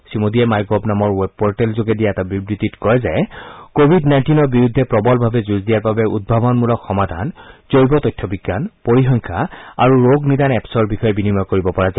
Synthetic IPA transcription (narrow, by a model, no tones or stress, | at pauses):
simodijɛmajɡɔbnamɔɹwɛb̚pɔɹtɛlzoɡɛdijaɛtabibɹititkɔɹɛzɛkobʱidnajntinɔɹbiɹud̪ʱːɛpɹɔbɔlbʱabɛzuzdijaɹbabɛʔṵd̚bʱabɔnmulɔkxɔmad̪ʱa̰nzojbɔtɔjtʰːɔbiɡːanpoɹixɔŋkʰaa̰ɹuɹoɡnidanɛpsɔɹbixɔjɛbinimɔjkoɹibɔpɔɹaza